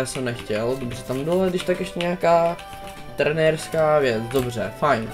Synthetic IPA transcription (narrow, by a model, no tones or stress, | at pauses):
jaːsɛmnɛxcɛldobr̝ɛt̪ambɪladɪʃt̪akɛʃcɛɲɛakaː | t̪ɾɛnɛːɾskaːvjɛt͡sdo̞br̝ɛfajn